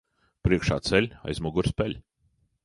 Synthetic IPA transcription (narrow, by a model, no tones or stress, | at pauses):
pɾiɛkʃa̰ːt̪sɛlʲa̰jzmɔɡuɾspʲɛlʲ